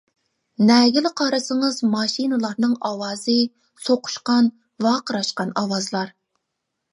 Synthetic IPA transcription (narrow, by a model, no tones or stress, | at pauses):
nɛːɡʲilɪqʰɑɾɨsɨŋɨzmɑʃinɨlˠɑɾnɨŋɑwɑːzɨ | soqʰʊ̥ʃqɑn | vɑqəɾɑʃqɑnɑwɑzlˠɑɾ